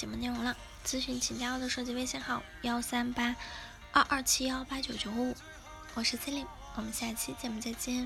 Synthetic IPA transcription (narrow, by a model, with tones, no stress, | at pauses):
t͡ɕjɛ˨˩mə˦e˥˩ɪɻʊ˧˥ŋlə˧ | t͡sɹ̩˥ɕy˧˥˩nt͡ɕʰi˨˩ŋt͡ɕja˥o˥˩d̪ə˩ʂɤ˥˧˩t͡ɕi˧˥we˥˧ɪɕjɛ˥˧nxɑ˨˩˦ʊjɑ˥ʊsa˥npa˥ | ɐ˞˥˧ʔɐ˥˩t͡ɕʰi˥jɑ˥ʊpa˥t͡ɕjo˨˩ʊt͡ɕjo˨˧˥ʊ˥u˨˩˦ | wɔ˨˩ʂɻ̩˥˧t͡sʰə˥li˧˩˦ŋ | wɔ˨˩mə˦nɕja˥˩t͡ɕʰi˥t͡ɕjɛ˨˩mu˧˥t͡sa˥˩ɪt͡ɕi˥